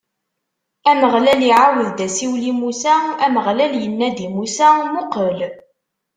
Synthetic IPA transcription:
æməʁlæliʕawəðd̪æsiwlimusææməʁlæljənːæd̪imusæmʊqəl

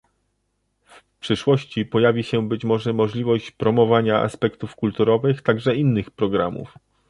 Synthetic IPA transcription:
f | pʂɘʂwɔɕt͡ɕipɔjavʲiɕɛbɘt͡ɕmɔʐɛmɔʐlʲivɔɕt͡ɕpɾɔmɔvaɲaʔa̰spɛkt̪ufkult̪uɾɔvɘxt̪aɡʐɛinːɘxpɾɔɡɾa̰mṵf

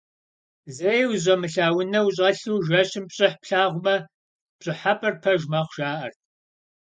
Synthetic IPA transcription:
zejwʑʷɐmɨɬaːwʊnɐwɕʼɐɬuːʒɐɕɪmpɕʼɪħpɬaːʁʷʊmɐ | pɕʼɪħapʼɐrpʰɐʒmaːχʷʒ̥aːʔɐ̰rtʰ

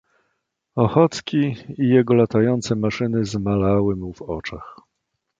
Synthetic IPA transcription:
ɔxɔt̪skʲiijɛɡɔlat̪ajɔnt̪sɛmaʂɘnɘzmalawɘmuvɔt͡ʂax

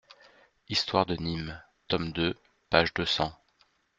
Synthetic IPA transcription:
ist̪waʁd̪ənim | t̪ɔmd̪ø | paʒd̪øsɑ̃

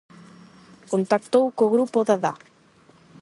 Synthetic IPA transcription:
kont̪ak̚t̪owkoɣɾupoðaða

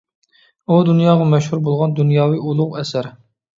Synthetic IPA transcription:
ud̪unjɑːʁɑmɛʃhuɾbolˠʁɑnd̪unjɑːwɨʔulˠʊʁɛsæɾ

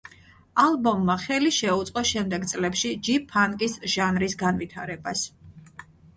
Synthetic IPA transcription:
alˠbɔmːaχɛliʃɛut̪sʼqʼɔʃɛmd̪ɛɡt̪sʼlɛpʃid͡ʒipʰaŋkʼisʒ̥anɾisɡanvit̪ʰaɾɛbas

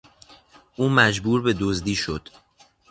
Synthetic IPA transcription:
ʔuːmæd͡ʒbuːɾbe̞d̪ozd̪iːʃo̞d̪̥

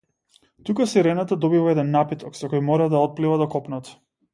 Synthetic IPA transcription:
t̪ukasiɾɛnat̪ad̪ɔbivaɛd̪ɛnːapit̪ɔksɔkɔjmɔɾad̪aɔt̪̚plivad̪ɔkɔpnat̪

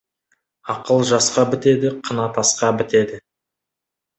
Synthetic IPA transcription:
ɑqəlˠʒɑsqɑbɪt̪e̞d̪ɪqʰənɑt̪ɑsqɑbɪt̪e̞d̪ɪ

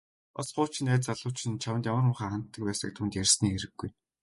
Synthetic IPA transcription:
ɔsɢʊːt͡ɕʰĭnæːt͡saɮʊːt͡ɕĭnt͡ɕʰawə̆nt̪jamə̆rmʊχaːχan̥t̪ːə̆k̚pæːsə̰̆k̚t̪ʰuːnt̪jærʲsniːeɾɘ̆ɡːuj

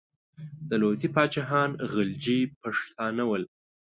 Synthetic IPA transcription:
d̪əlot̪ipɑt͡ʃaɦɑnɣəld͡ʒipaʂt̪ʰɑnawəl

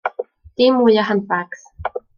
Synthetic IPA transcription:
t̪imujaɦanpaks

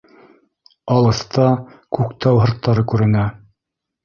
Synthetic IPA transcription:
ɑlˠɤ̆st̪ɑkʉkt̪ɑwɦɤ̆ɾt̪ːɑɾɤkʉɾɘ̆næ

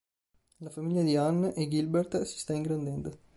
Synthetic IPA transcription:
lafamiʎːad̪ianːʔeɡilbɛɾt̪si̥st̪aiŋɡɾand̪ɛnd̪o

